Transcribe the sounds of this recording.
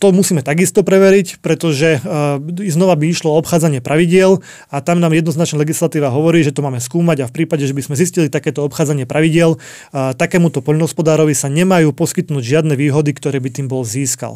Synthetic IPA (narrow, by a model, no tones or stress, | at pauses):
t̪ɔmusiːmɛt̪aɡist̪ɔpɾɛʋɛɾicpɾɛt̪ɔʒɛ | znɔʋabiiʃlɔɔɔpxaːd͡zaɲɪɛpɾʔaʋiɟɪɛl | at̪amnaːmjɛd̪nɔznat͡ʃnalɛɡislat̪iːʋaɦɔʋɔɾiːʒɛt̪ɔmaːmɛskuːmaɟafpɾiːpaɟɛʒɛbizmɛziscilit̪akɛːt̪ɔɔpxaːd͡zaɲɪɛpɾʔaʋiɟɪɛl | t̪akɛːmut̪ɔpɔʎnɔɦɔspɔd̪aːɾɔʋisaɲɛmajuːpɔskit̪nuːɟʒɪad̪nɛʋiːɦɔd̪ikt̪ɔɾɛːbit̪iːmbɔlziːska̰l